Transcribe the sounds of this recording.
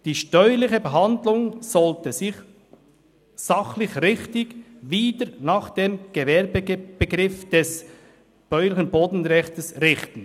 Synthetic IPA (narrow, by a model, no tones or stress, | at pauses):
d̥iːʃtœʏəlɪçəbəɦɑndlʊŋsɔltəzɪç | sɑχlɪçɾɪχtɪɡviːdəɾnɑːχd̥eːmɡ̥əvɛɾbəb̥əɡɾɪfd̥ɛs | b̥œʏlɪçənboːdn̩ɾɛçtəsɾɪχtn̩